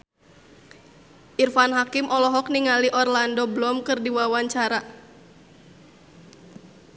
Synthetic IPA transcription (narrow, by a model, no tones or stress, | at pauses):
ʔirfanɦakimʔɔlɔɦɔk̚niŋaliʔɔrlandɔblɔmkɨrdiwawaɲt͡ʃaɾa